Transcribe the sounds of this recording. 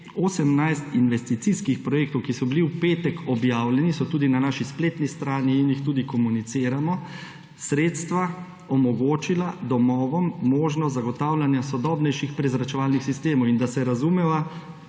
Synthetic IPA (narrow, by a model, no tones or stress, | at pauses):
osɛmnajst̪inʋɛst̪it̪siskixpɾɔjek̚t̪ɔwkisɔbiliupeːt̪ɛkɔbjaːwlɛnisɔt̪uːd̪inanaːʃispleːt̪nist̪ɾaːniːnjixt̪uːd̪ikɔmunit̪siːɾamɔ | sɾeːt̪st̪ʋa | ɔmɔɡoːt͡ʃilad̪ɔmɔːʋɔmːoːʒnɔzaɡɔt̪aːwlanjasɔd̪ɔːbnɛjʃixpɾɛzɾat͡ʃɛʋaːlnixsist̪eːmɔwind̪asɛɾazumɛʋa